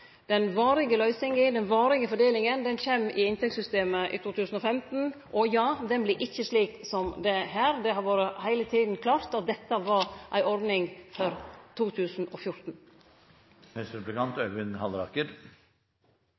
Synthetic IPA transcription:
d̪̥ɛnʋɑːɾɪɡəlœʏsɪŋɪd̪ɛnʋɑːɾɪɡəfɔɖeːlɪŋənd̪ɛnçɛmɪɪnt̪ʰɛksʏst̪eːməʔɪ̰ːt̪ʰuːt̪ʰʉːsn̩ɔfɛmt̪n̩ʔɔjɑːd̪ɛnblɪʔɪçːəʂliːksɔmd̪ɛɦæːɾd̪ɛɦɑɾʋoːɾəhæɪlət̪ʰiːd̪n̩kʰlɑːɾt̪ɑt̪̚d̪ɛt̪ːəʋɑɾʔæ̰ɪʔɔɾd̪nɪŋfɔɾt̪ʰuːt̪ʰʉːsn̩ɔfjʊɾt̪n̩ | hɛsɾɛplɪkɑnt̪œʋɪnhɑlɾɑ̰kəɾ

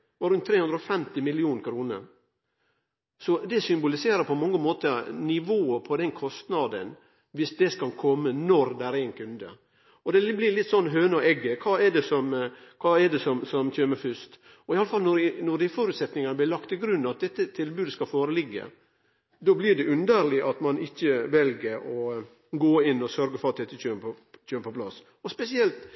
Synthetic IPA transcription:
ɔɾʉnt̪ʰːɾeːhʉnd̪ɾəɔfɛmt̪ɪmɪlɪuːnəkʰɾuːnə̰ɾ | sɔd̪ɛsʏmbʊlɪseːɾəɾpʰɔmɑŋːəmoːt̪ənɪʋoːəpʰɔd̪ɛnkʰɔst̪nɑd̪ə̰n | ʋɪsd̪ɛskɑlkʰɔmːənɔɾd̪ɛæɾæɪnkʰʉnd̪ə̰ | ɔd̪ɛblɪɾlɪt̪ːsɔnːɦøːnəɔʔɛɡːəkʰɑːɛɖɛsɔmkʰɑːɛɖɛsɔmsɔmçøːməfʏst̪ | ɔɪɑləfɑlnɔɾɪnɔɖ̪ɪfɔːɾʉːt̪sɛt̪nɪŋɑnəblɪlɑkt̪ɪɡɾʉnːɑt̪̚d̪ɛt̪ːət̪ʰɪlbʉːd̪əskɑlfoːɾəlɪɡːə̰ | d̪ɔːblɪɖɛʔʉnd̪əɾlɪʔɑt̪mɑnɪçːəʋɛlɡəɾɔ | ɡoːɪnːɔsœɾɡəfɔɾɑt̪̚d̪ɛt̪ːət͡ʃøːmɔ | t͡ʃøːməpʰɔplɑs | ɔspɛsɪɛlt̪

